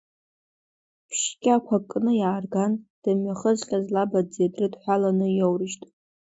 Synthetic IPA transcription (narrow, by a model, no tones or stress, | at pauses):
pʰʃkʲʼakʷʰakʼːnɨjaːrɡand̥ɨmɥaχəzχʲʼazlabadd͡zedrɨdħʷalanɨjowrɨʃtʼ